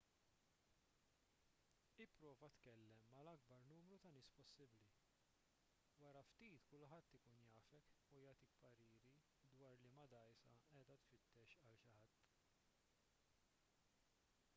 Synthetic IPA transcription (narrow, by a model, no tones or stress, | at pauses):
ɪpːɾɔːvɐt̪kɛlːɛmːɐlɐɡ̚bɐɾnuːmɾut̪ɐnɪːspɔsːɪbli | wɐɾɐft̪iːt̪kʊlħɐt̪ːɪkuːnjɐːfɛkujɐːt̪ikpɐɾiːɾi | d̪wɐːɾlimɐd̪ɐjsɐɛːd̪ɐt̪fɪt̪ːɛʃɐlʃɪħɐt̪ː